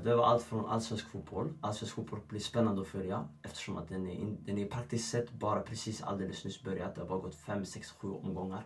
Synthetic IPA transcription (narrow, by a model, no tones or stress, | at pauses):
d̪ɛʋɑɾʔɑlt̪fɾɔnʔɑ̰lsʋɛnskfʊt̪̚bɔlʔɑlsʋɛnskfʊt̪̚bɔlb̥lɪːspɛnːɑnd̪əɔfœlɪɑʔɛft̪ə̥ʂɔmɑ̰t̪̚d̪ɛnd̪ɛnɪpʰɾɑk̚t̪ɪsksɛt̪ːbɑːɾəpʰɾɛsiːsɑ̰ld̪eːləsnʉːsbœɾjəɑt̪̚d̪ɛhɑbɑːɾɡɔt̪ːfɛmsɛksɧʉːʔɔ̰mɡɔŋːəɾ